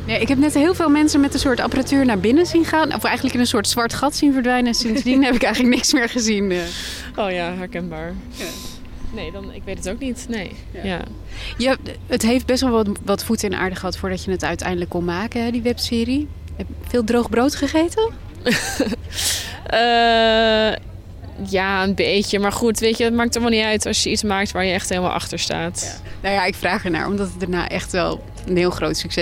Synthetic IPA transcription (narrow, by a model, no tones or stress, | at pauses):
nejɪkɦɛp̚nɛtɦɪːlˠvɪːlˠmɛnsənmɛtəsʊːɹtɑ̰pəratyːɹnaːɹbɪnəzinχaːnʔɔ̰fɛjχəndləkɪnənsʊːɹtsʋɑɹtχɑtsinvəɹdʋɛjnənsɪnsdinɦɛpɪkɛjχənlək̚nɪksmɪːɹχəzinə | ʔowjaːɦɛɹkɛnbaːɹ | nejdɑnɪkʋejtətowk̚nitnej | ja̰ | jaətɦejft̚bɛstʋɛlˠʋʋɑtfutɪnʔa̰ːɹdəχəɦɑtfʊːɹdɑcjənətœ̰ɥtɛ̰jndələkːʊnmaːkəɦɛdiʋɛpsɪːri | fɪːlˠdroχbrowtχəχejtə | ə | jaːənbejcəmaːɹχutʋejtədɑt̚maːk̚tɔlˠmalˠniœɥtɑsjəitsmaːk̚tʋaːɹjəɛχtɦeːləma̰lˠʔɑ̰χtəɹsta̰ːt | nojaɪkfraːχəɹna̰ːɹʔɔ̰mdɑtəd̚aːɹna̰ːʔɛχtʋɛ̰lˠ | ənɦɪːlˠχrowtsyksɛ